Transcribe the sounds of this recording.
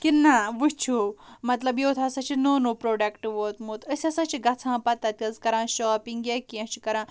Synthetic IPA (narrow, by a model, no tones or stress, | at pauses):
kinːaʋut͡ʃʰumɐt̪lɐbjewt̪ʰasat͡ʃʰinonopɾoːɖɐkʈʋot̪mot̪əsʲasãt͡ʃiɡɐt͡sʰãːpat̪ɐt̪ʲɐzkɐɾãːɕɔːpiŋɡekiɐ̃t͡ʃikɐɾã